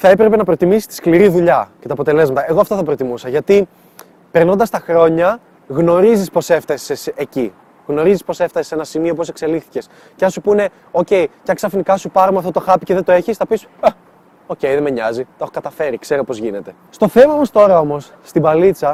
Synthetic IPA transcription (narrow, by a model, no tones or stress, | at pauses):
θɐe̞pɾepe̞nɐpɾo̞t̪imisist̪iskliɾiðuʎɐcet̪ɐːpo̞t̪e̞le̞zmɐt̪ɐe̞ɣoɐft̪ɐθɐpɾo̞t̪imusɐʝɐt̪i | pe̞ɾno̞nd̪ɐst̪ɐxɾo̞ɲɐ | ɣno̞ɾizispo̞se̞ft̪ɐseseci | ɣno̞ɾizispo̞seft̪ɐssenɐsimiopose̞kse̞lixθice̞s | ceɐnsupune̞ | o̞ce̞jceɐŋksɐfinikɐsupɐɾomeɐft̪ot̪o̞xɐpiceðet̪oe̞çisθɐpis | o̞ce̞jðemeɲɐzit̪oxokɐt̪ɐfe̞ɾikse̞ɾo̞po̞zʝine̞t̪e̞ | st̪o̞θe̞mɐmost̪o̞ɾɐo̞mo̞sːt̪ibɐlit͡sɐ